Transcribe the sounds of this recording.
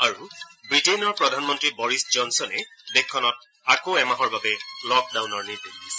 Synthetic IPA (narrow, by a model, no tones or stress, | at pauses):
aɹubɹitejnɔɹpɹɔdʱanmɔntɹibɔɹisd͡ʒɔnsɔnɛbekʰːɔnɔt̚ | akoɛmaɦɔɹbabɛlɔk̚dawnɔɹniɹdiis